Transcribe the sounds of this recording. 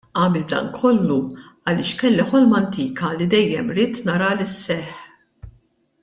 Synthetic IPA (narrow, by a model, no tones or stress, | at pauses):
ɐːmɛld̪ɐ̰ːŋkʰɔlːu | ɐlɪːʃkɛlːɛħɔlmɐnt̪iːkɐlid̪ɛjːɛmɾiːt̪nɐɾɐlɪsːɛħ